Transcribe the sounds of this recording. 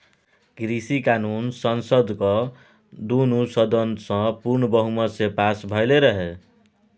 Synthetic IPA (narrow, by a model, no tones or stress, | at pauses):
ɡɾisikanunsʌnsʌd̪ko | d̪unusʌd̪ʌnsʌ̃purnʌbʌɦumʌsepasbʱʌjleɾʌɦe